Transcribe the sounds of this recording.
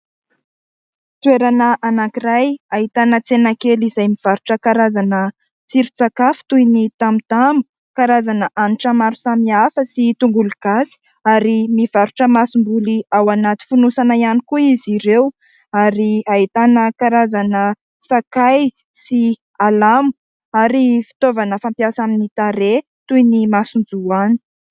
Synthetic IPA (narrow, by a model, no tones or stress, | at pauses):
t̪ueɾanəʔanakirajaɦit̪anət͡senakelizajmiv̥aɾuʈ͡ʂəkaɾazanə | t͡siɾut͡sakafi̥t̪ujnit̪amit̪amu̥ | kaɾazanəʔaniʈ͡ʂəmaɾu̥samiafəsit̪uŋɡuluɡ̥asi̥ | aɾimiv̥aɾuʈ͡ʂəmasumbuliawanat̪i̥funusanaianikuiziɾew | aɾiait̪anəkaɾazanə | sakaj | si | alamu̥ | aɾifi̥t̪ovanəfampjasaminit̪aɾe | t̪ujnimasund͡zuani̥